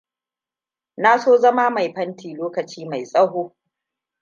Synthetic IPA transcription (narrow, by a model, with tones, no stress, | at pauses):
naː˦soː˦zɐ˦ma˦ma˨jɸɐ˦ntʰiː˨loː˦kɐ˨t͡ʃiː˦ma˨jsʼɐ˦ɦoː˦